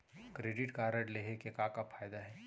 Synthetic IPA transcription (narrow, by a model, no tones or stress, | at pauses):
kɾeːɖɪʈkaːɾəɖleɦekekãkafʰaːjd̪aɦɛː